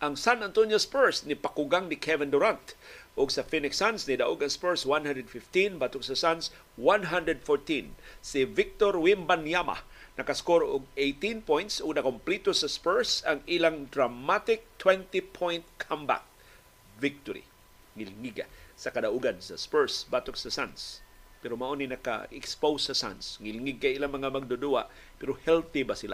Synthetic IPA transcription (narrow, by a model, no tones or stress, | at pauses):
ʔɐŋsanant̪onjospɛɹsnɪpakʊɡaŋnɪkʰɛvɛnd̪ʊɾant̪ʔʊɡsɐfinɪksansnid̪aʔuɡaŋspɛɹswãnhãndɾɛd̪fɪft̪ĩnbat̪ʊksɐsans | wanɦand̪ɹɛd̪̚foɹt̪ĩnsɪvɪk̚t̪oɾwimbanjama̰nɐkaskoɾoʔʊɡ̚ejt̪ĩnpõjnt̪sʊɡ̚nɐkʊmplit̪osaspɛɹsaŋilaŋd̪ɾamat̪ɪk̚t̪ʰwɛnt̪ipʰojnt̪̚kʰamba̰k̚ | vɪk̚t̪oɾḭ | ŋɪlŋiɡa̰sakad̪aʔuɡansa̰spɛɹsbat̪oksasa̰nspɛɾomaʔoninɐka̰ɛkspowsːɐsa̰nsŋɪlɪŋɪɡ̚kaʔilaŋmɐŋamaɡ̚d̪ʊd̪uaʔ | pɛɾohɛlt̪ɪbasila̰